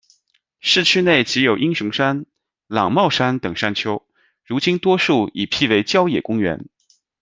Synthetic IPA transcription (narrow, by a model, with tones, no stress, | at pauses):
ʂɻ̩˥˩t͡ɕʰy˥ne˥˩ɪt͡ɕi˧˥jo˨˩ʊʔi˥ŋʂɤ˧˥ŋʂa˥n | lɑ˨˩ŋmɑ˥˩ʊʂa˥nt̪ɤ˨˩ŋʂa˥nt͡ɕʰjo˥ʊ | ɻu˧˥t͡ɕi˥nt̪wɔ˥ʂu˥˩i˨˩pʰi˥˩we˧˥ɪt͡ɕjɑ˥ʊjɛ˨˩kʊ˥ŋɥɛ̰˧˥n